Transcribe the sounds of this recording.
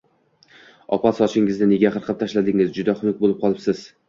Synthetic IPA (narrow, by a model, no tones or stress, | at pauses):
ɒpʰat̪sɒt͡ʃʰɪŋɪznɪneɡʲaχɨɾqʰɨp̚t̪ʰaʃlad̪ɪŋɪzd͡ʒʊd̪aχʊmʊk̚ʲbolɪp̚qʰɒlˠɪpsɪz̥